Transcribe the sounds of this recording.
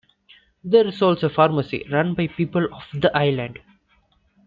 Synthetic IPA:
d̪eːɾɪsɔːlsofaːɾməsḭɾʌ̃nbaɪpiːpəlɔfd̪əʔaɪlãɳɖ

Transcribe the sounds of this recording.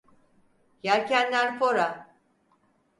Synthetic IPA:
jaɾcʰænːæɾfoɾa

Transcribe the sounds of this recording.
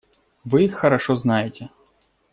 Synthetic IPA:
ʋɪjixːɐɾɐʃɔznɑjetʲɛ

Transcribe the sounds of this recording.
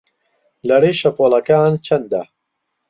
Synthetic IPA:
lɐɾeːʃɐpolɐkaːnt͡ʃʰɐnd̪ɐ

